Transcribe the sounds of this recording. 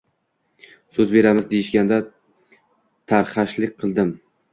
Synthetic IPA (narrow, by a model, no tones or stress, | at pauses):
sɵzbe̞ɾamɪzd̪ejɪʃɡʲand̪a | t̪ʰaɾχaʃlɪk̚ʲqʰɨlˠd̪ɪm